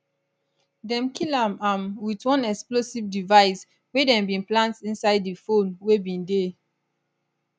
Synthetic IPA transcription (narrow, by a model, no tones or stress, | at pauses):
dɛ̃mkʰilãmãmwitwɔ̃nɛksplosivdivaɪs | wedɛ̃mbĩnplãntĩnsaɪdifõnwebĩnde